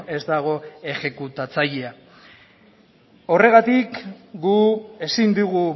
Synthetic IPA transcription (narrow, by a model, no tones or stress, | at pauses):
e̞zd̪aɣ̞o̞e̞xe̞kut̪at͡saʎea | o̞re̞ɣ̞at̪ikɡue̞sind̪uɣu